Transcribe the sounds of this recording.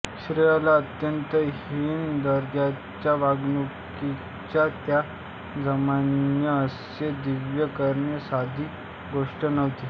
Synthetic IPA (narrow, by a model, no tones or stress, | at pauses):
ɕɾijalaət̪jənt̪əɦiːnd̪əɾd͡ʑa | t͡ɕjaʋaɡnuki | t͡ɕjat̪ja | d͡zəmanjəəs | ed̪iʋjəkəɾɳjəsad̪ʱiː | ɡoʂʈənəʋt̪i